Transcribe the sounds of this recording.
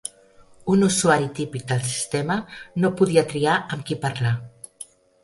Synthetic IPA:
unusuaɾit̪ipik̚d̪əlˠs̬i̥st̪emənopuðiat̪ɾiaʔəmkipaɾla

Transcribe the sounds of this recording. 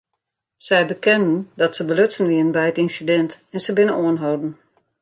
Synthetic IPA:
sɛjbəkɛndən̩dɔtsəbəløtsən̩ʋiənən̩bɛjətinsidɛntɛnsəbɪnənoənɦowdn̩

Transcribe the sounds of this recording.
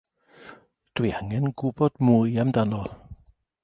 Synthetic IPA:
d̥wiaŋɛnɡʊbɔd̥muɨjamdanɔ

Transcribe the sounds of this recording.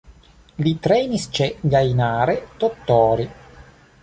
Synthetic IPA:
lit̪ɾɛnist͡ʃɛɡajnaːɾet̪ot̪ːɔːɾi

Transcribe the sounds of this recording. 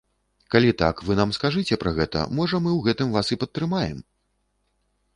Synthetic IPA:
kalʲit̪a̰kvɨnamskaʐɨt͡sʲɛpɾɐɣɛt̪ɐ̰mɔʐɐmɨwɣɛt̪ɨmvasipɐt̪ːɾɨmajɛ̰m

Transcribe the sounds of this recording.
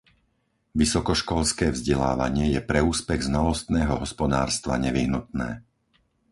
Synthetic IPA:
ʋisɔkɔʃkɔlskɛːvzɟɛla̰ːʋa̰ɲɪɛjɛpɾɛuːspɛɣznalɔst̪nɛːɦɔɦɔspɔd̪aːɾst̪ʋa̰ɲɛʋiɦnut̪nɛ̰ː

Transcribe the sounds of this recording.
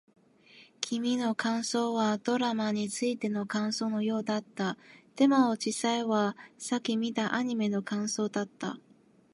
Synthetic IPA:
kʲʰimʲino̞kãɰ̃so̞ːβad̪̥o̞ɾamaɲ̟it͡sɨit̪e̞no̞kãɰ̃so̞ːno̞jo̞ːd̪at̪ːat̪e̞maod͡ʑisaiβasakʲimʲit̪aʔaɲ̟ime̞no̞kãɰ̃so̞ːd̪at̪ːa̰

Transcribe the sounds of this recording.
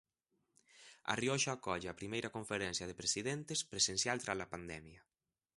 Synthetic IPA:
a̰rjoʃaakɔʎeapɾimejɾakoɱfeɾɛnsjað̞epɾesiðent̪espɾesensjalt̪ɾazlapand̪ɛmja

